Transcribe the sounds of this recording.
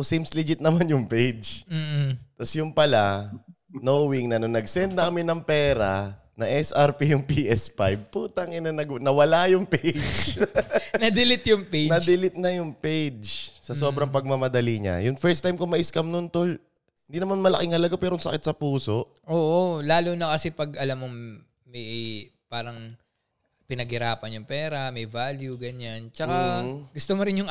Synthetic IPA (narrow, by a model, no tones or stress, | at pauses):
ʔosimslid͡ʒɪt̪̚nɐmanjʊŋpejd͡ʒm̩ːt̪ɐsjʊŋpɐla | nowiŋnɐnonɐɡsɛnd̪̚nɐkɐmɪnɐŋpɛːɾa | nɐʔɛsʔɐɹpijʊŋpiʔɛsfa̰jb̚puːt̪ɐŋɪnɐnɐɡnɐwɐlajʊŋpejd͡ʒ | nɐd̪ɪlɪt̪jʊŋpenɐd̪ɪlɪt̪̚nɐjʊŋpejd͡ʒsɐso̞ːbɾɐŋpɐɡ̚mɐmɐd̪ɐliɲa̰jʊŋfɛɹst̪ajmkʊŋmɐʔiskɐmnʊnt̪ol | hɪniːnɐmanmɐlɐ̰kɪŋhɐlɐɡapɛːɾoŋsɐ̰kɪt̪sɐpuːso̞ʔ | ʔoːʔolaːlunɐkɐsɛpɐɡ̚ʔɐlamːoŋ | mɐjpaːɾɐŋ | pɪnɐɡhɪɾaːpɐnjʊŋpɛːɾɐmɐjvaljuɡɐɲant͡ʃɐkaɡʊst̪omoɾɪnjʊŋ